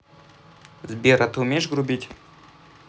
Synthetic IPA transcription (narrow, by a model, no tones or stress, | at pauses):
zbʲeɾʔɐt̪ɨʊmʲejʃɡɾʊbʲitʲ